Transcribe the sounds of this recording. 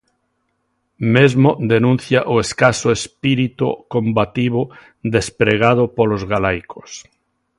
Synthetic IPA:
mezmod̪enũn̟θjaʔoeskasoespiɾit̪ṵkõmbat̪iβo | ðespɾeɣ̞að̞opolozɣalajkos

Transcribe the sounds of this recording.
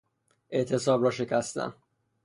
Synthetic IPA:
ʔe̞ʔt̪ʰe̞sɒːbɾɒːʃe̞cʰæst̪æ̰n

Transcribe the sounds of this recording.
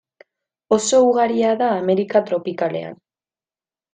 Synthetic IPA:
o̞so̞uɣaɾiaðaːme̞ɾikat̪ɾo̞pikale̞̰a̰n

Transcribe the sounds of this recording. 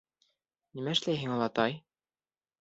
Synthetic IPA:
nimæɘ̆ʃlæjɦɘŋɑlˠɑt̪ɑj

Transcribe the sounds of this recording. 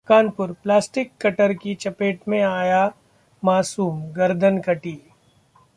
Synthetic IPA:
kaːnpʊɾplaːsʈɪkːɐʈəɾkit͡ʃɐpeːʈmẽaːja | maːsuːmɡɐɾd̪ʱənkɐʈiː

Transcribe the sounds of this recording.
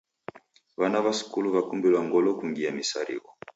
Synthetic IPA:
vanavasu̥kuluβakumbilwaŋɡɔlɔkuŋɡiamisa̰ɾḭkɔ

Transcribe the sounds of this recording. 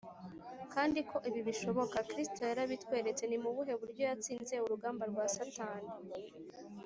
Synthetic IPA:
kaːndikʰo̞ʔiβiβiʃo̞βo̞kakɾisi̥to̞jaɾaβitwe̞ːɾe̞t͡se̞nimuβuɦe̞βuɾɟo̞jat͡siːnze̞uɾuɡaːmbaɾɡwaːsantaːne

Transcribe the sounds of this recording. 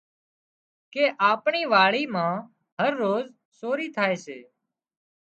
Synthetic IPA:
keːʔaːpɳiːʋaːɭiːmãː | ɦəɾːoːz | soːɾiːt̪ʰaːeːsḛː

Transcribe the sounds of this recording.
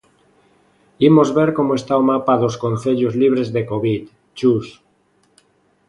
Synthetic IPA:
imozβeɾkomoest̪awomapaðoskonθeʎozliβ̞ɾezðekoβit̪ | t͡ʃus

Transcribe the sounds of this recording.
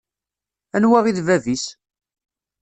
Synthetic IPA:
ænwæʁiðvævis

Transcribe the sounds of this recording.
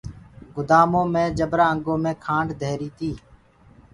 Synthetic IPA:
ɡʊd̪aːmõːmẽːd͡ʒəbɾaːə̃ŋɡõːmẽːkʰãːɳɖd̪ʱeːɾiːt̪ʰiː

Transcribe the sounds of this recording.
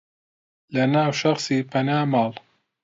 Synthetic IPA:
lɐnaːwʃɐχsiːpʰɐnaːmɑːlˠ

